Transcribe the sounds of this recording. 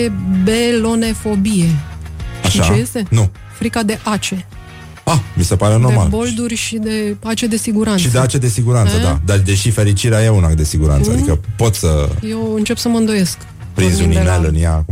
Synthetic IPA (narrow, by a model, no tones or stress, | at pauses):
ebelo̞ne̞fo̞bije̞ | aʃajest̪e̞nu | fɾikad̪e̞ʔat͡ʃe̞ | amise̞paɾeno̞rma̰lbo̞ld̪urʲʃid̪e̞at͡ʃed̪e̞siɡuɾanʃʃid̪d̪eat͡ʃe̞d̪e̞siɡuɾant̪səd̪a̰d̪ard̪e̞ʃife̞ɾit͡ʃiɾeajeunak̚d̪e̞siɡuɾa̰ntsəad̪ikəpo̞t̪səje̞wɨnt͡ʃe̞psəməɨnd̪o̞je̞sk | pɾinzuninelɨnjaku